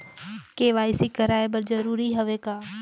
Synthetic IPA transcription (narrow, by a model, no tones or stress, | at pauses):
keʋaːɪsikɐɾaːebɐɾd͡ʒɐɾuːɾiɦɐʋekaː